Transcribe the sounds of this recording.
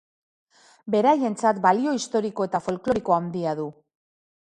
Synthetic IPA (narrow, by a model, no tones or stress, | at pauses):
be̞ɾaje̞nt͡sat̪balio̞ist̪o̞ɾiko̞e̞t̪afo̞lklo̞ɾiko̞and̪iaðu